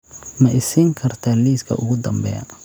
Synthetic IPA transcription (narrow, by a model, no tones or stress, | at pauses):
mɐʔɪsiŋkʰɐrt̪ʰaliːskʰɐ̰ʔʊ̰ɣʊd̪ɐmbɛ̰ːjɐ̰